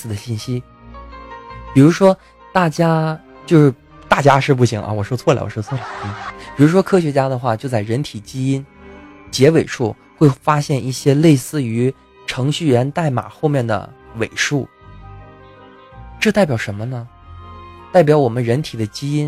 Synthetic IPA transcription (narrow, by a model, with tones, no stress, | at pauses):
sɹ̩˨˩d̪ə˦ɕi˥˩nɕi˥ | pi˨˩ɻu˧˥ʂwɔ˥ | t̪a˥˩t͡ɕja˥ | t͡ɕjo˥˧ʊʂɻ̩˥˩ | t̪a˥˩t͡ɕja˥ʂɻ̩˥˧p̬u˥˩ɕḭ˨˩˦ŋʔɐ̰˧wɔ˨˩ʂɔ˥t͡sʰwɔ˥˩la̰˧˥wɔ̰˨˩ʂt͡sʰɔ˥˩la˨˧˩pi˨˩ɻu˧˥ʂwɔ˥kʰɤ˥ɕɥɛ˧˥t͡ɕja˥d̪ə˨xwa˥˧t͡ɕjo˥˧ʊt͡sa˥˩ɪɻə˧˥nt̪ʰi˨˩t͡ɕi˥i˥n | t͡ɕjɛ˧˥we˨˩ɪʂu˥˩ | xwe˥˩ɪfa˥ɕjɛ˥˧nʔi˥˩ɕjɛ˥le˥˧ɪsɹ̩˥˩y˧˥ | ʈ͡ʂʰɤ˧˥ŋɕy˥˩ɥɛ˧˥nt̪a˥˩ɪma̰˨˩xo˥˧mjɛ˥˩nd̪ə̰˩we˨˩ɪʂu˥˩ | ʈ͡ʂɤ˥˧t̪a˥˩ɪpjɑ˨˩ʊʂə˧˥nmə˧nə˧ | t̪a˥˩ɪpjɑ˧˥ʊwɔ˨˩mə˦nɻə˧˥nt̪ʰi˨˩d̪ə˦t͡ɕi˥i˥n